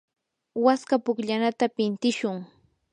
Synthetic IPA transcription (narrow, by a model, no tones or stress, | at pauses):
waskapʊkʎanat̪apɪnt̪ɪʃʊŋ